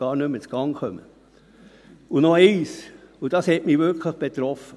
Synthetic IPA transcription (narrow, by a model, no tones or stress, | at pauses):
ɑːɾnɵmːət͡sɡ̥ɑŋχœmə̰ | unɔeɪs | ud̥ɑshɛtmiːʋʏɾkʰləχb̥et̪ɾɔfə